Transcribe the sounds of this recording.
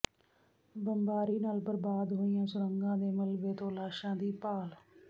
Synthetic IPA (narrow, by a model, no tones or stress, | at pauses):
bəmbaːɾiːnaːlbəɾbaːd̪ɦoːɪjãːsʊɾəŋɡãːd̪eːməlʋeːt̪oːlaːʃãːd̪iːpaːl